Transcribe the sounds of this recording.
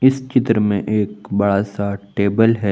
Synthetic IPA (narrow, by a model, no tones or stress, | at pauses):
ɪst͡ʃɪt̪ɾəmẽʔeːkbɐɽasaʈeːbəlɦɛː